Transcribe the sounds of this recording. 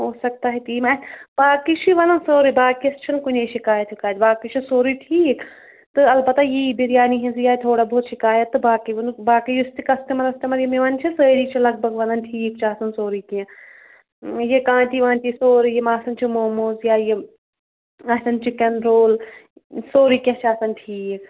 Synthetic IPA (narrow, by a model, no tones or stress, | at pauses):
ɦoːsɐk̚t̪aɦit̪iːmaːb̥aːkit͡ʃʰiʋɐnɐnsoːɾibaːkiɐst͡ʃʰinkunʲeʃikaːjɐt̪ʰikaːt̪baːkit͡ʃʰisoːɾiʈʰiːk | t̪ɨɐlbɐt̪ajibiɾjaːniɦĩnzjaːit̪ʰoːɽabʱoːt̪ʃikaːjɐt̪ːɨbaːkiʋɐnubaːkijust̪ikɐst̪emɐɾɐst̪emɐɾjimiʋɐnt͡ʃʰisəːɾiːt͡ʃʰilɐɡ̚bʱɐɡʋɐnɐnʈʰiːkt͡ʃʰaːsɐnsoːɾikijã | jekãːnt̪iʋãːnt̪isoːɾijmaːsɐnt͡ʃʰimoːmoːzjaːje | ɐsɐnt͡ʃʰikɐnɾoːl | soːɾikẽt͡ʃaːsɐnʈʰiːk